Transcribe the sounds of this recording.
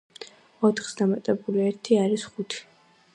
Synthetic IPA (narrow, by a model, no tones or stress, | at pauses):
ɔt̪ʰχsd̪amat̪ʼɛbuliɛɾt̪ʰiaɾisχut̪ʰi̥